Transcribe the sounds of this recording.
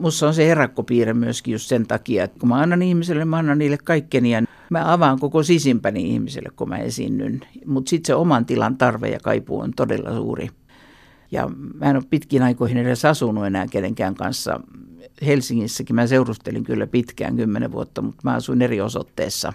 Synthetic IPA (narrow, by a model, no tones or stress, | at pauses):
musːɑonseherɑkːopiːremyøskijust̪sent̪ɑkiɑet̪komæɑnːɑnihmiselːemæɑnːɑnniːlːekkɑikːeniæn | mæɑʋɑŋkokosisimpæniḭhmisḛlːḛkkomæ̰ḛsḭnːy̰nmut̪sit̪seomɑnt̪ilɑnt̪ɑrʋḛjɑ̰kɑ̰ipṵo̰nt̪odḛlːɑ̰sṵːrḭ | jɑ̰mæenoppit̪kiːnɑikoihinedesɑsunuenæːkeneŋkæːŋkɑ̰nsːɑ̰helsiŋːisːækimæseurust̪elḭŋkylːæpit̪kæ̰ːŋɡ̥ymːenḛʋuot̪ːɑmut̪mæɑsuinerioso̰t̪ːḛːsːɑ̰